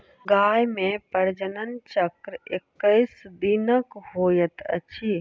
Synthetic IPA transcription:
ɡaːjmẽpəɾd͡ʒənənt͡ʃəkɾekːəɪsd̪inəkɦoːjət̪ə̰t͡ʃʰi

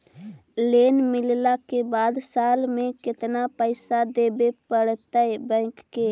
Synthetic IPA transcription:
leːnmɪllakebaːd̪saːlmẽkɪt̪napəɪsad̪eːbepəɽt̪əebə̃ɪkːe

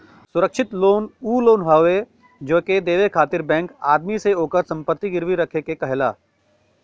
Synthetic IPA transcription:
sʊɾəkʃʰɪt̪loːnuːloːnɦaːʋe | d͡ʒoːked̪eːʋekʰaːt̪ɪɾbɛ̃ːŋkaːd̪miseoːkəɾsɐ̃mpət̪ːiɡɪɾʋiɾɐkʰekekɐɦlaː

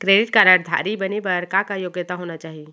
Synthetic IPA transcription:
kɾeːɖɪʈkaɾaɾd̪ʱa̰ːɾibənebɐɾkãkajoːɡjət̪aɦoːnat͡ʃaːɦie

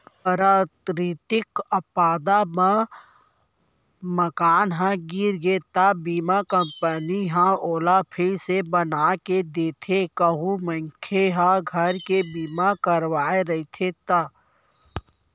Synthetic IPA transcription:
pəɾaːt̪ɾɪt̪ɪkəpaːd̪ama | məkaːnɦãɡiːɾɡeːt̪abiːmakə̃mpəniɦãoːlapʰɪsebənaːked̪eːt̪ʰekəɦumə̃ŋkʰeɦãɡʱəɾkebiːmakəɾʋaːeɾɐit̪ʰet̪aː

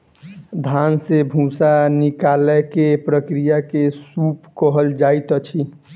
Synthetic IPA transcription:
d̪ʱansebʱũsanikalɛkepɾəkɾijakesupkəɦəld͡ʒait̪ət͡ʃʰi

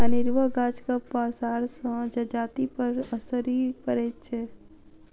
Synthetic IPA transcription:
ənɪɾʋəɡaːd͡ʒkapaːsaːɾsə̃d͡ʒɐd͡ʒaːt̪ipəɾəsəɾipəɾeːt͡ʃe

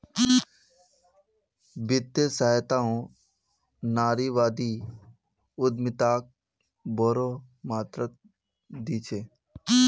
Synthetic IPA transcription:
bɪt̪ːəsaːt̪aːõ | naːɾiʋaːd̪i | ʊd̪mɪt̪aːk̚ | boːɾo | maːt̪ɾət̪̚ | d̪iːt͡ʃʰeː

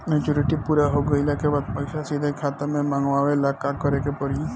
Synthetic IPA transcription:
met͡ʃuɾɪʈipuːɾaɦoɡəilakebaːd̪̚pəɪsasid̪ʱəkʰaːt̪əmẽmãŋɡʋaʋelakakəɾekepəɾi

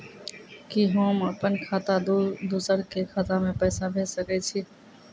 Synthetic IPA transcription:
kiɦoːməpənkʰaːt̪ad̪uːsəɾkekʰaːt̪amẽpɛːsabʱeːsəkɛt͡ʃʰiː

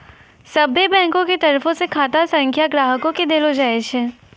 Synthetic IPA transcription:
sɐbʱebɛ̃ːŋkõket̪ɐɾfõsekʰaːt̪asɐ̃ŋkʰjaɡɾaːɦəkõked̪eːlod͡ʒaːeʃʰeː

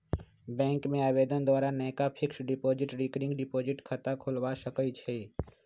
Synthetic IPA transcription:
bɛ̃ːŋkmẽaːbeːd̪ənd̪ʋaːɾanɛːkapʰɪksɖɪpoːd͡ʒɪʈɖɪkɾɪ̃ŋɡɖɪpoːd͡ʒɪʈkʰət̪akʰolʋasəkəit͡ʃʰe

